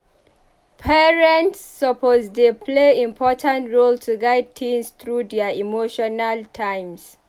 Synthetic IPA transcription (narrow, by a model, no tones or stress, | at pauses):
pʰɛɹɛ̃ntsːɔpʰosdepʰleĩmpʰɔtʰãntɹoltʰuɡaɪd̚tʰĩnst̪ɹudɛaimoʃɔnaltʰãjms